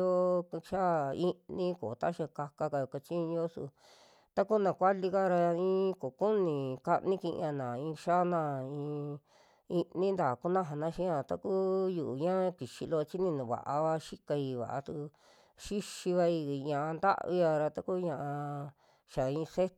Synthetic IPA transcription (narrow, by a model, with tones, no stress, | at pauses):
o˦˧ʃa˦i˧nĩ˦ko˨t̪a˦ʃa˧ka˧ka˧ka˧jo˨ka˧t͡ʃĩ˦˧o˦sṵ˧ | t̪a˦ku˦nã˨kʷa˦li˧ka˦ɾa˧ĩː˦˧˦ko˨ku˦nĩ˨ka˦ʔnĩ˦kĩ˧ʔã˧nã˨ĩ˧ʃa˦nã˧ĩ˧ | i˧nĩ˦nd̪aː˨ku˦nã˦ɦa˧nã˧˦ʃĩ˦a˧t̪a̰˦ku˦ju˨ʔɲã˦˧ki˨ʃi˧lo˧t͡ʃi˦nĩ˧nũ˨βa̰˨ʔa˧βa˧ʃi˦ka˧i˧βa̰˨ʔa̰˧t̪u˧ | ʃi˦ʃi˧βa˧i˧˨ɲã˧ʔa˧nd̪a̰˦ʔβi˧a˧ɾa˧t̪a˦ku˦ɲã˧ʔã˧ | ʃa˨ĩ˧se˦